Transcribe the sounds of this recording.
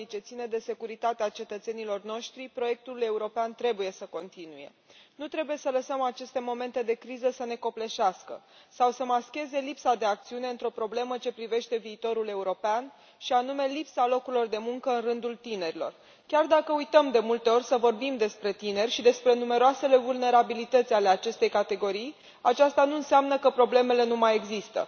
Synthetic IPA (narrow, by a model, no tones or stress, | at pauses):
it͡ʃe̞t̪sined̪e̞se̞kuɾit̪at̪eat͡ʃe̞t̪ət̪se̞nilo̞rno̞ʃt̪ɾipɾo̞je̞k̚t̪ule̞uɾo̞peant̪ɾe̞buje̞səko̞nt̪inuje̞̰ | nut̪ɾe̞buje̞sələsəmat͡ʃe̞st̪e̞mo̞me̞nt̪ed̪e̞kɾizəsəne̞ko̞ple̞ʃaskə̰sawsəmaskʲe̞ze̞lipsad̪e̞ak̚t̪siune̞ɨnt̪ɾo̞pɾo̞ble̞mət͡ʃe̞pɾive̞ʃt̪e̞viːt̪o̞ɾule̞uɾo̞pean | ʃianume̞lipsalo̞kuɾilo̞rd̪e̞muŋkəɨnrɨnd̪ult̪ine̞ɾilo̞̰r | kʲard̪akəujt̪əmd̪e̞mult̪e̞o̞rʲsəvo̞rbimd̪e̞spɾe̞t̪ine̞rʲʃid̪e̞spɾe̞nume̞ɾoase̞le̞vulne̞ɾabilit̪ət̪sʲale̞at͡ʃe̞st̪e̞jkat̪e̞ɡo̞ɾij | at͡ʃast̪anuɨnseamnəkəpɾo̞ble̞me̞le̞numaje̞ɡzist̪ə̰